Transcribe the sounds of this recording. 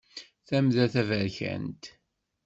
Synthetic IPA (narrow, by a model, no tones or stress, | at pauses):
θæmðæθævəɾçæ̰nt̪